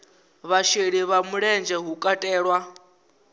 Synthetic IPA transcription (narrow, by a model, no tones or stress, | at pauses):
βaʃeɺiβamuɺɛnd͡ʒɛɦukʼatʼɛːɺwa